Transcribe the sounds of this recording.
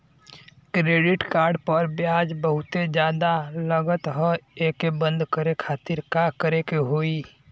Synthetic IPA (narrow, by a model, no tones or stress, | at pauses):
kɾeːɖɪʈkaːɾɖpəɾbjaːd͡ʒbəɦʊt̪ed͡ʒjaːd̪aləɡət̪ɦɔeːkebə̃nd̪ʱkəɾekʰaːt̪ɪɾkakəɾekeɦoːi